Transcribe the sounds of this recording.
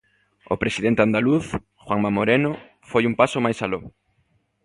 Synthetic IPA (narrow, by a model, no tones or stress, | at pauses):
opɾesiðent̪eand̪aluθ | xwaŋmamoɾeno | fojumpasʊmajsalo